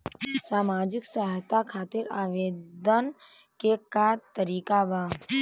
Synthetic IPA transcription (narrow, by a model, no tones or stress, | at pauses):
saːmaːd͡ʒɪksəɦt̪akʰaːt̪ɪɾaːʋeːd̪ənkekat̪əɾiːkabaː